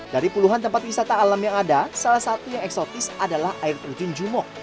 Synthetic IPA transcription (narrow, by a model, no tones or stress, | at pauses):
d̥aɾipuluɦant̪əmpat̪̚wisat̪aːlamjaŋadasalahsat̪ujaŋɛksɔt̪ɪsadalahaɪrt̪ərd͡ʒund͡ʒumɔk̚